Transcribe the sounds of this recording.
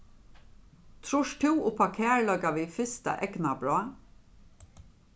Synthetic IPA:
t̪ʰɾʊʃt̪ʰuːʔʊpʰɑkʰeːɹɭœɡɑʋiːfɪst̪ə̰ʔɛɡnɑbɾoː

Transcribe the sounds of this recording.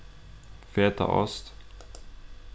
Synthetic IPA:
feːt̪a̰ʔɔ̰st̪

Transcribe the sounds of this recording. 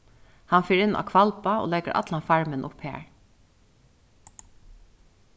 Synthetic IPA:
hanfiːɾɪnːʔa̰ːkʰvalpao̰ːlɛɡəɾʔa̰t̪lafaɹmɪnʔʊ̰phḛːɹ

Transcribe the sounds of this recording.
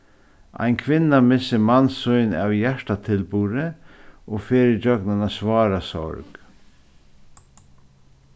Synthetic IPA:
a̰jnkʰʋɪnːamɪsɪmansʊjna̰ːwjæʂʈat̪ʰɪlpuːɾɪɔfeːɾɪd͡ʒœknanasʋɑːɾasɔ̰ɹk

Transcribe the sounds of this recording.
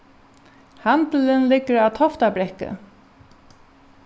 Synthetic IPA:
hant̪əlɪnlɪkːəɾaðt̪ʰɔft̪apɾɛhkə̰

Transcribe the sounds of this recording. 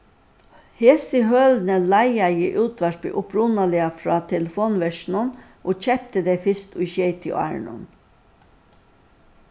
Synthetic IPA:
heːsɪɦœːlnəlæɪajɪʔʉːt̪ʰʋæʂpɪ̰ʔʊpɾʊnalɪafɾɑːt̪ʰɛləfoːnʋɛʃnən | ʔoːc͡çɛp̚t̪əd̪ɛɪfɪst̪ʊɪʃɛɪt̪ʰɪ̰æ̰ɹɳʊ̰n

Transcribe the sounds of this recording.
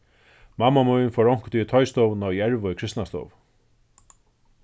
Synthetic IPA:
mamːamujnfɔɹɔwŋ̥kt̪ʰit̪ʰɔjst̪ownawjɛɹvʊɪkʰɾɪst̪nast̪o̰wv

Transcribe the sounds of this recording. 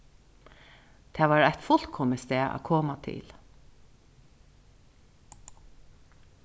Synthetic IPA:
t̪ʰɛːʋaːɹaht̪fʊl̥kʰɔməst̪ɛːʔa̰kʰɔːmat̪ʰɪ̰l

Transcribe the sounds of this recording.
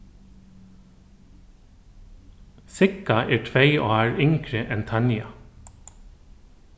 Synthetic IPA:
sɪkɑʔeːʈʰʋeɪʔo̰ːɑːɹʏŋkɹəʔɛnt̪ʰɑnjɑ̰

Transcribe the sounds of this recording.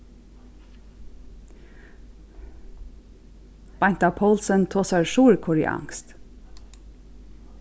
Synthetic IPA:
b̥ɑnt̪ɑːpʰɔlsənt̪ʰoːsɑɹʃuːɹkʰʊɹɪ̰ʔɑ̰ŋst̪

